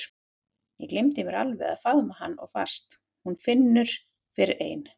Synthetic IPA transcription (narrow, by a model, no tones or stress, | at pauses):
jɛklejmt̪ɪmɛɾa̰lvɛɣa̰ðfaðmahanːɔ̰ɣfa̰r̥st̪ | hunfɪnːʏɾ̥ | fɪɾɪɾʔḛːjn